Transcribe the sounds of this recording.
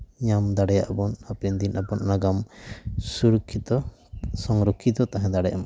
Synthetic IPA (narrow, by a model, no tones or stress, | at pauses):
ɲamd̪aɽɛjaʔbɔnapɛnd̪inʔapɔnʔnaɡamsuɾukʰːit̪ɔ | sɔŋɾɔkʰːit̪ɔt̪aɦɛ̃d̪aɽɛjʔama